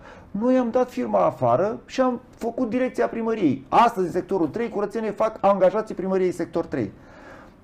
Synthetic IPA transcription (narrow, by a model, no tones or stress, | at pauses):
no̞jamd̪at̪firmaːfa̰ɾəʃiam | fəkut̪̚d̪iɾe̞kt̪siapɾiməɾije̞jast̪əzʲinse̞k̚t̪o̞ɾult̪ɾe̞jkuɾət̪senefakaŋɡaʒat̪sijpɾiməɾije̞jse̞k̚t̪o̞rt̪ɾḛj